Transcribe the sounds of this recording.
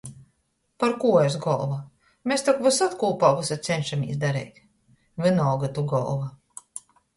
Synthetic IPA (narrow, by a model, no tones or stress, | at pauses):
paɾkuːes̬ɡɔlˠva | mest̪akvɨsat̪kuːpaːɡusat̪sɛnʲʃamḭsd̪aɾɛ̰jt̪ʲ | vɨnɔːɡat̪uɡɔ̰lˠva